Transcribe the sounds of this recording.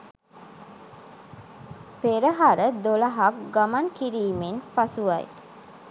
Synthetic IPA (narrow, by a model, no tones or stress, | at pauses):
peɾəɦaɾəd̪olaɦak̚ɡamankiɾiːmenpasuʋa̰j